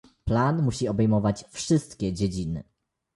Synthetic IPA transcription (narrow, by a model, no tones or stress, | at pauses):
planmuɕiɔbɛjmɔvat͡ɕfʂɘst̪kʲɛd͡ʑed͡ʑinɘ̰